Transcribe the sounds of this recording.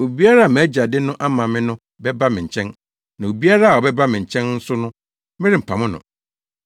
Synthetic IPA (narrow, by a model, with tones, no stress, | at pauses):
o˨bi˦a˦ɾa˦a˨m̃˨æ˦d͡ʑa˨dɪ˦nʊ̃˦ʔa˦mã˨mɪ̃˦nʊ̃˦ | bɛ˦ba˦mɪ̃˨ɲ̩˨t͡ɕʰɛ̃˦n | nã˨o˨bi˦a˦ɾa˦a˨ɔ˨bɛ˦ba˦mɪ̃˨ɲ̩˨t͡ɕʰɛ̃˦nn̩˦sʊ˦nʊ̃˦ | mɪ̃˦ɾɪ̃˨m̩˨pʰa˨mʊ̃˦nʊ̰̃˨